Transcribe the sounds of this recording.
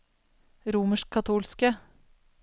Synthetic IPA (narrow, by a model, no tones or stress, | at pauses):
ɾuːməʃkkʰɑt̪ʰuːlskə